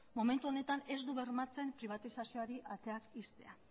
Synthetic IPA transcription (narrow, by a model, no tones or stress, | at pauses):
mo̞me̞nt̪uo̞ne̞t̪ane̞zd̪uβe̞ɾmat͡se̞mpɾiβ̞at̪isasio̞aɾiʔat̪e̞akist̪e̞̰a